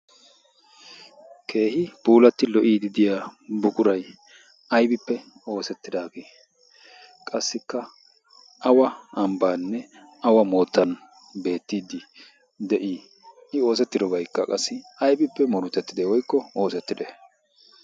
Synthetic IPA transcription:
kʰe̞ːhɪpuːlɐt̪ːɪlɔʔiːd̪ɪd̪ɪjaːbʊkʼʊɾɐj | ʔɐjbɪpːɛ | o̞ːsɛt̪ːɪd̪aːbeː | kʼɐsːɪkːɐ | ʔɐwɐɐmbaːnːɛ | ɐwɐmo̞ːt̪ːɐn | be̞ːt̪ːiːd̪ɪ | d̪ɛʔiː | ɪo̞ːs̬ɛt̪ːɪd̪ɔbɐjkːɐkʼɐsːɪɐjbɪpːɛmɔɾʊt̪ːɛt̪ːɪd̪ɛwɔjkːɔo̞ːsɛt̪ːɪd̪ɛ

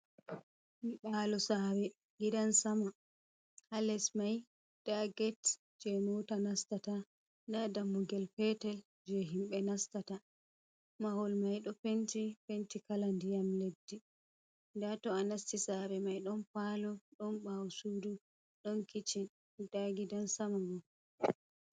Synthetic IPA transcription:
hiɓaːlɔsaːbɛ | ɡidansama | halɛsmaj | d̥aɡɛt | d͡ʒɛmɔtanastata | ndadamːuɡɛlpɛtɛl | d͡ʒɛɦimɓɛnastata | mahɔlmajɗɔpentipentikalandijamledːi | ndatɔanastisaɾɛmajɗɔnpalɔɗɔnɓawsudu | ɗɔnkit͡ʃin | d̥aɡidansamaɡɔ

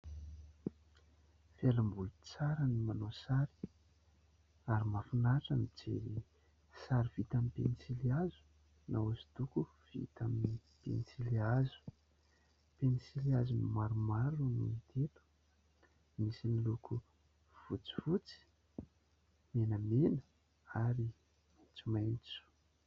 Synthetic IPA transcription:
felambulut͡saɾənimanosaɾi̥ | aɾimafinaʈ͡ʂamid͡zḛɾi | saɾiv̥it̪amipḛnisiliazu̥ | nauzi̥t̪uku | v̥ḭt̪amini | pḛnisiliazu̥ | penisiliazunimaɾumaɾunḭnit̪ʰet̪u̥ | misinilukʰu | v̥ut͡si̥vut͡si̥ | menəmenə | aɾi | mant͡sumajnt͡su̥

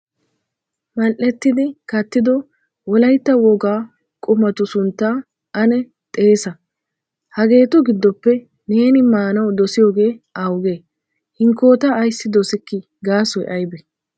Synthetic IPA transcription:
mɐlʔɛt̪ːɪd̪ɪkɐt̪ːɪd̪ɔ | wɔlɐjt̪ːɐwɔɡaː | kʼʊmɐt̪ʊsʊnt̪ːaː | ʔɐnɛ | t̪ʼe̞ːsɐ | hɐɡe̞ːt̪ʊɡɪd̪ːɔpːɛ | ne̞ːnɪmaːnɐwd̪ɔsɪjo̞ːɡe̞ːʔawʊɡeː | hɪŋkːo̞ːt̪ɐːjsːɪd̪ɔsɪkːɪ | ɡaːsɔjʔɐjbɛ

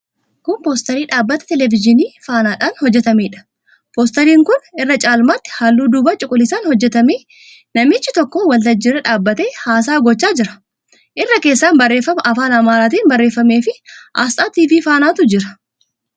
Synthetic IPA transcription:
kʊnpoːst̪ɐɾiːᶑaːbːɐt̪ɛ̥t̪ɛlɛvɪd͡ʒɪniːfaːnaːᶑaːnhɔd͡ʒːɛt̪ɐmeːᶑɐ̥ | poːst̪ɐɾiːŋkʊnɪrːɐt͡ʃʼaːlmaːt̪ːɪ̥haːlːuːd̪uːbaːt͡ʃʼʊkʼʊlːɪsaːnhɔd͡ʒːɛt̪ɐmeː | nɐmɪt͡ʃːɪt̪ɔkːowɐlt̪ɐd͡ʒːɪɾɛᶑaːbːɐt̪e̞ːhaːs̬aːɡɔt͡ʃːaːd͡ʒɪɾɐ̥ | ʔɪrːɐkeːsːaːnbɐrːe̞ːfːɐmɐʔɐfaːnɐmaːɾaːt̪̬iːnbɐrːe̞ːfːɐmeːfɪʔaːst̪ʼaːt̪iːviːfaːnaːt̪ʊd͡ʒɪɾɐ̥

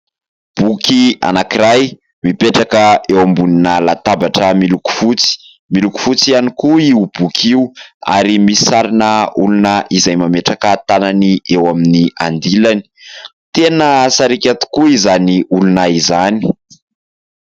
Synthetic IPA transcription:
b̥ukia̰nakiɾaj | mipeʈ͡ʂakəewambuninalat̪abaʈ͡ʂəmiluku̥fut͡si̥ | miluku̥fut͡sianikuiub̥ukʰiua̰ɾimisaɾinəulunaʔizajmameʈ͡ʂakət̪ananiʔewaminiand̪ilani̥ | t̪enəsaɾikʲat̪i̥kuizaniulunaizani̥

